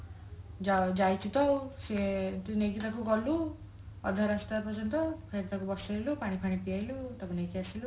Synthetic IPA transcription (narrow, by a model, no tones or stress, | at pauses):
d͡ʒad͡ʒajt̪ʰit̪ɔwset̪inekit̪akuɡɔlu | ɔ̰d̪ʱaɾasʈɾapɔd͡ʒɔnt̪ɔkʰeɾt̪akubɔsajlupaɽ̃ipʰaɽ̃ipijajlut̪akunekiasilu